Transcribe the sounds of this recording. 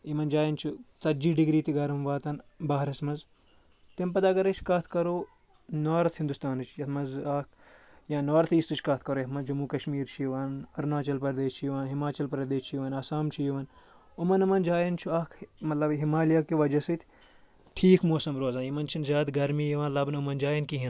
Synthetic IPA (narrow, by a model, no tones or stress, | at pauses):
imɐnd͡ʒaːjɐnt͡ʃʰut͡sɐd͡ʒiːɖiɡɾiːt̪iɡɐɾmʋaːt̪ɐnbɐːɦɐɾɐsmɐnz | t̪impɐd̪aːɡɐɾɐt͡ʃʰkɐːt̪ʰkɐɾoː | noːɾɐt̪ʰhind̪ust̪aːnɨt͡ʃʰjɐt̪mɐnzaːk | jãːnoːɾt̪ʰiːst̪ɨt͡ʃʰʲkɐt̪̚ʰkɐɾoːjɐt̪mɐzd͡ʒɐmuːkɐʃmiːɾt͡ʃʰijiʋɐːnɐɾnaːt͡ʃɐlpɐɾd̪eːst͡ʃʰijiʋaːnɦimaːt͡ʃɐlpɾɐd̪eːst͡ʃʰijiʋaːnɐsaːmt͡ʃʰijiʋɐn | omɐnɐmɐnd͡ʒaːjɐnt͡ʃʰuaːkʰmɐt̪lɐbɦimaːlijaːkiʋɐd͡ʒɐsɨt̪ʲʰ | ʈʰiːkmoːsɐmɾoːzãːnjimɐnt͡ʃʰinzʲaːt̪ɡɐɾmiːjiʋãnlɐbnumɐnd͡ʒaːjɐnkiɦin